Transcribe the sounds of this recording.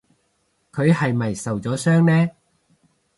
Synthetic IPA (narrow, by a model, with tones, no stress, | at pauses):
kʰɵ˨˧ɥɦɐ˨jmɐ˨˩jsɐ˨wt͡sɔː˨˥sœː˥ŋnɛː˥